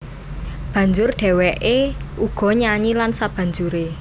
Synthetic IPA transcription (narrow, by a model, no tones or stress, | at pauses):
b̥ä̤ɲd͡ʒʊrɖ̥ɛ̤wɛʔeuɡ̥ɔ̤ɲaɲilansab̥ä̤ɲd͡ʒuɾe